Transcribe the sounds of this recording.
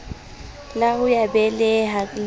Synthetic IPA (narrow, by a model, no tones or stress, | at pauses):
laʊjabɛlɛɦal